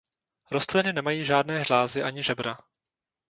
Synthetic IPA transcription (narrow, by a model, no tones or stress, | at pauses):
ɾost̪lɪnɪnɛmajiːʒaːdnɛːʒlaːzɪʔaɲɪʒɛbɾa